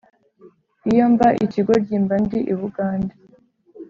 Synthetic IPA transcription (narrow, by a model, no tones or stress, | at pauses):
ijoːmvaʔiciɡo̞ɾɟiːmbandiʔiβuɡaːndi